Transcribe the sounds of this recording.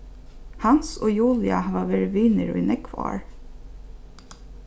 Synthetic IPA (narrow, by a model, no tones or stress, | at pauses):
hɑnsoːjuːljɑ̰hɑʋɑːʋeːɾʋiːnəɾʉ̰ɪnʔɛkʰʋɑ̰ːɹ